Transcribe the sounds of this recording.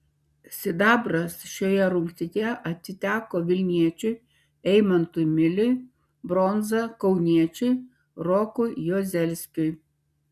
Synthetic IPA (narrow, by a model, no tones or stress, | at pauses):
sʲɪd̪ɑːbɾɐsʃʲoːjɛɾʊŋʲkt̪ʲɪt̪ʲjɛʔɐt̪ʲsʲɪt̪ʲæːkoːʋʲɪlʲnʲiɛt͡ʃʲʊɪ | ɛɪmɐnt̪ʊjmʲɪlʲʊɪ | bɾɔnzɐkɒʊnʲiɛt͡ʃʲʊɪ | ɾɔkʊjjoːzʲɛlʲsʲkʲʊɪ